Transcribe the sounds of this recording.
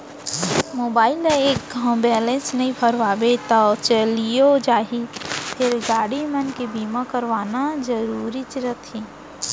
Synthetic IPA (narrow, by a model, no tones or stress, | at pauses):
moːbaːɪleeːkɡʱãbɛːlẽnsnɐɦĩpʰəɾʋaːbet̪at͡ʃəlijod͡ʒaːɦipʰɪɾɡaːɽimənkebiːmakəɾʋaːnazəɾuːɾit͡ʃɪɾət̪ʰi